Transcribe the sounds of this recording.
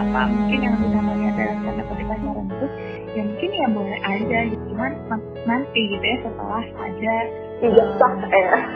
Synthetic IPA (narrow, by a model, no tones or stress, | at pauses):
apa̰muŋkɪnjaŋləbimamaiadalahkanapədit̪aɲaɾənt̪ʊs | jamuŋkɪnjabolɛhʔad͡ʒad͡ʒut̪umanma | nant̪iɡit̪ujasət̪ə̰laha̰d͡ʒa | t̪iɡasɔk̚ɛɾa